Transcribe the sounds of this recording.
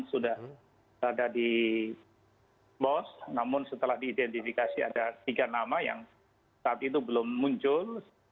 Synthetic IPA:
sudah | adadi | bɔsnamʊnsət̪əlahdiːdɛnt̪ifikasia̰dat̪iɡanamaja̰ŋ | saːt̪it̪ubəlʊmːuɲt͡ʃʊl

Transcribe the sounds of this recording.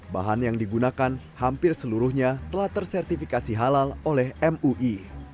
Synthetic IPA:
ba̰ɦanjaŋdiɡunakan | hampɪrsəluɾʊhɲat̪əlaht̪ərsɛrt̪ifikasiɦalalolɛhɛmuʔi

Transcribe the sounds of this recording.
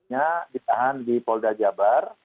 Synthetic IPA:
adit̪aɦandipɔldad͡ʒabar

